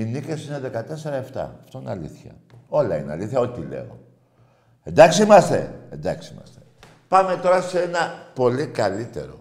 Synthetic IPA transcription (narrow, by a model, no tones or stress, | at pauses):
inice̞sine̞ðe̞kɐt̪e̞se̞ɾɐeft̪ɐ̰ɐft̪o̞ineɐliθçɐ̰o̞lɐineɐ̰liθçɐo̞t̪it̪ile̞̰o̰ | e̞nd̪ɐksiimɐst̪e̞̰end̪ɐksiimɐ̰st̪e̥ | pɐme̞t̪o̞ɾɐsenɐpo̞likɐlit̪e̞̰ɾo̞̰